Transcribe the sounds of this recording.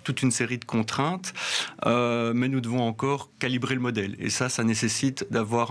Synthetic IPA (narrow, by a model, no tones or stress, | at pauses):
t̪ut̪ynseʁid̪əkʰɔ̃t̪χɛ̃t̪ømɛnud̪əvɔ̃ɑ̃kɔːʁkalibʁeləmɔd̪ɛlḛsasanesesit̪d̪avwaʁ